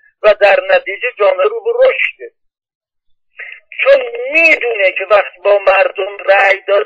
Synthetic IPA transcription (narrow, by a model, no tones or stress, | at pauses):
væd̪æɾnæt̪ʰiːd͡ʒed͡ʒɒːmeɾuːbeɾoʃt̪e | t͡ʃʰonmiːd̪uːnekʰevæχt̪ibɒːmæɾd̪omræjd̪ɒːɾ